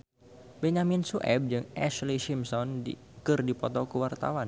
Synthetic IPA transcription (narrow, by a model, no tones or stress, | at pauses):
bɛɲaminsuʔɛ̰b̚d͡ʒɨŋʔɛʃliʃimsɔndi | kɨrdipɔt̪ɔkəwart̪a̰wan